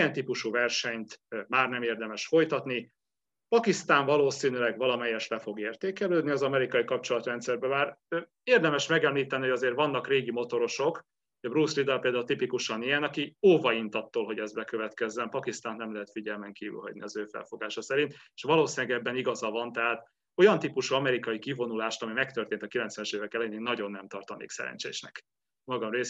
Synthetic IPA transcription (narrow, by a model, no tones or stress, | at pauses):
ijɛnt̪ipuʃuvɛrʃɛɲt̪maːrnɛmeːrd̪ɛmɛʃfo̞jt̪ɒt̪ni | pɒkist̪aːɱvɒloːsiːnylɛɡvɒlɒmɛjːɛʃlɛfo̞ɡeːrt̪eːkɛløːd̪niɒzɒmɛɾikɒikɒp̚t͡ʃo̞lɒt̪rɛnt̪sɛrbɛmaːr | eːrd̪ɛmɛʃmɛɡɛmliːt̪ɛnihoɟɒzeːrvɒnːɒkreːɡimo̞t̪o̞ɾo̞ʃo̞k | ɒbrusrid̪apeːld̪ault̪ipikuʃɒnijɛnɒkioːvɒint̪ɒt̪ːoːlɦo̞ɟɛzbɛkøvɛt̪kɛzːɛnpɒkist̪aːnnɛmlɛɦɛt̪fiɟɛlmɛŋkiːvy̰lɦɒ̰ɟnḭɒzøːfɛ̰lfo̞ɡaːʃɒsɛɾint̪e̥ʃʋɒloːsinɛɡɛbːɛniɡɒzɒvɒnt̪ɛɦaːt̪ | o̞jɒnt̪ipuʃuɒmɛɾikɒjikivo̞nulaːʃt̪ɒmimɛk̚t̪ørt̪eːnt̪ɒkilɛnt̪sʋɛnɛʃeːvɛkɛlɛjneːnːɒɟo̞nːɛmt̪ɒrt̪ɒnḛːksɛ̰ɾɛ̰nt͡ʃḛːʃnɛk | mɒɡɒmreː